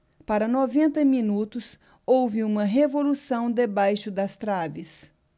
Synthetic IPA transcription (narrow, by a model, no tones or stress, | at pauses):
paɾɐnɔvẽnt̪ɐmĩnut̪ʊs | owvɪũmɐɦevolusɐ̃w̃d̪ebajʃʊd̪ɐst̪ɾavɪs